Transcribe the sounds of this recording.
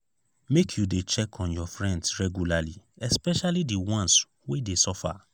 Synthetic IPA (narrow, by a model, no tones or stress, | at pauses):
mekʰjudet͡ʃɛkʰɔ̃njɔfɹɛ̃ndsɹɛɡjulaliɛspɛʃalidiwɔ̃ns | wedesɔfa̰